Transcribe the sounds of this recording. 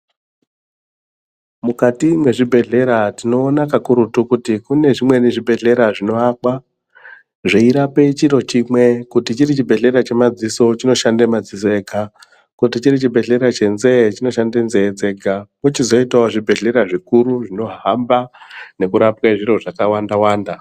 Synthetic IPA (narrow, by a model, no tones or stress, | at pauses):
mukatimwe̞ʐibʱe̞ɮe̞ɾatino̞ːnakakuɾutukutikune̞ʐimwe̞niʐibʱe̞ɮe̞ɾaʐino̞akwa | ʐeiɾape̞t͡ʃiɾo̞t͡ʃimwe̞kutit͡ʃiɾit͡ʃibʱe̞ɮe̞ɾat͡ʃe̞mad͡ziso̞t͡ʃino̞ʃandemad͡zisoeːka | kut̬it͡ʃiɾit͡ʃibʱe̞ɮe̞ɾat͡ʃe̞nze̞t͡ʃino̞ʃandenze̞d͡ze̞ːɡʱakut͡ʃizo̞itwaoʐibʱe̞ɮe̞ɾaʐikuɾuʐino̞ɦambane̞kuɾapkaʐiɾo̞ʐakawandawaːnda